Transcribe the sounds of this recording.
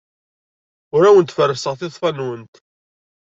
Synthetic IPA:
ʊɾæwənt̪fərːəsəʁθɪðˤfɑnwənt̪

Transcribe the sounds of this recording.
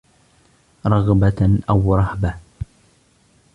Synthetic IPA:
ɾˤɑɣbaʔawɾˤɑhba

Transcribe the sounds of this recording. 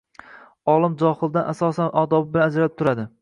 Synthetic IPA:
ɒlˠɪmd͡ʒɒhɨlˠd̪anʔasɒsanʔɒd̪ɒbɪbɪlanad͡ʒɾaɪp̚t̪ʰʊɾad̪ɪ

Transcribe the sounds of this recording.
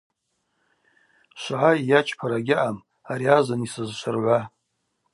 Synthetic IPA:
ʃʷaʕajat͡ʃʰpʰaɾaɡʲɪʔam | aɾiazanisɨzʃʷʰɨrʕʷa

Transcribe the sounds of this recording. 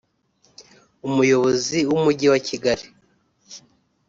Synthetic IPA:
umujo̞βo̞ziwumuɟiwaciɡaɾi

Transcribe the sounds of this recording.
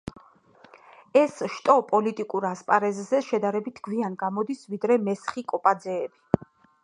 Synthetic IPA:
ɛsʃt̪ʼɔpʼɔlit̪ʼikʼuɾaspʼaɾɛzzɛʃɛd̪aɾɛbit̪ʰɡ̥wianɡamɔd̪isvid̪ɾɛmɛsχikʼɔpʼad̪zɛːbi

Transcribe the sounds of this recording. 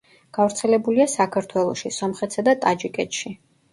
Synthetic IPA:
ɡ̥avɾt̪sʰɛlɛbuliasakʰaɾt̪ʰwɛlˠɔʃisɔmχɛt̪sad̪at̪ʼad͡ʒikʼɛt̪ʃi

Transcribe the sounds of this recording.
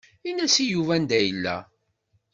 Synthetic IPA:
inæsijuvænd̪æjəlːæ̰

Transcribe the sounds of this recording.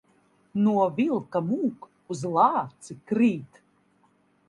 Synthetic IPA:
nuɔvilˠkamuːk | uzlˠɑːt̪sɨkɾiːt̪

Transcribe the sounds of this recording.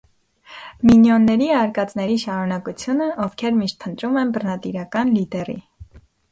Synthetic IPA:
minjɔnːɛɾiɑɾkɑt͡snɛɾiʃɑɾunɑkut͡sʰjunəʔɔfkʰɛɾmiʃt̪̚pʰənt̪ɾumɛnbəɾnɑt̪iɾɑkɑnlid̪ɛrḭ

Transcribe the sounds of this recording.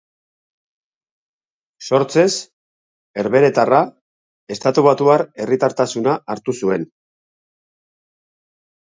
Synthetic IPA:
so̞ɾt͡se̞s | e̞ɾβe̞ɾe̞t̪ara | e̞st̪at̪uβat̪uaɾe̞rit̪aɾt̪asunaʔːɾt̪usue̞n

